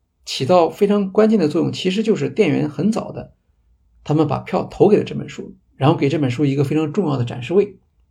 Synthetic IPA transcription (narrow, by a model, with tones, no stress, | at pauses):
t͡ɕʰi˨˩t̪ɑ˥˩ʊfe˥ɪʈ͡ʂʰɑ˧˥ŋkwa˥nt͡ɕjɛ˥˩nd̪ə˩t͡swɔ˥˧jʊ˥˩ŋt͡ɕʰi˧˥ʂ̬ɻ̩˧˥t͡ɕjo˥˧ʊʂ̬ɻ̩˥˧t̪jɛ˥˩nɥɛ̰˧˥nxə˧˥nt͡sɑ˨˩ʊd̪ə˦ | t̪ʰa˥mə˨npa̰˨˩pʰjɑ˥˩ʊt̪ʰo˧˥ke˨˩ɪlə˦ʈ͡ʂɤ˥˩pə̰˨˩nʂu˥ | ɻa˧˥nxʊke˨˩ɪʈ͡ʂɤ˥˩pə˨˩nʂu˥i˧˥ɡə˧fe˥ɪʈ͡ʂʰɑ˧˥ŋʈ͡ʂʊ˥˧ŋjɑ˥˩ʊd̪ə˩ʈ͡ʂa̰˨˩nʂɻ̩˥˧we˥˩ɪ